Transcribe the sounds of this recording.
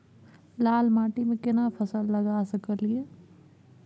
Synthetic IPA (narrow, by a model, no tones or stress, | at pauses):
laːlmaːʈimẽkɪnaːpʰɐsəlːɐɡaːsɐkəlijeː